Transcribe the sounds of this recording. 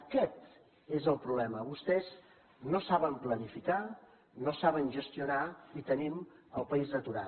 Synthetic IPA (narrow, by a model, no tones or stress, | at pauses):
əkɛt̪ | ezəlˠpɾuβlɛməβust̪ɛz | nosaβəmplənifika | nosaβənʒəst̪iunait̪əniməlˠpəizðət̪uɾa̰